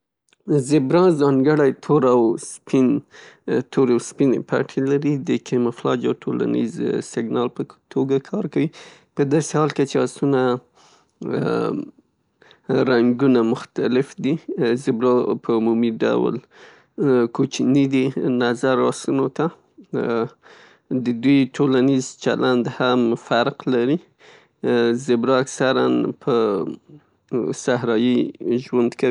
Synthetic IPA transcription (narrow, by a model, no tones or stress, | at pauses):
zɪbɾɑ̃zɑŋɡəɽajt̪ʰoɾawspin | t̪ʰoɾawspinḛpa̰ʈʰelaɾid̪əkʰemaflɑ̰d͡ʒawʈʰola̰nḭzsɪɡnɑlpət̪ʰoɡakʰɑɾkawi | pəd̪ɑsehɑlket͡ʃeɑsuna | ɾaŋɡunamʊxt̪alɪfd̪izɪbɾopʰəumumiɖa̰wl | kot͡ʃnid̪inazaɾɑsunot̪a | d̪əd̪ujʈʰolanizt͡ʃa̰lʔand̪hamfaɾqlaɾi | zɪbɾɑaksaɾanpʰə | sahɾɑjiʒwand̪kai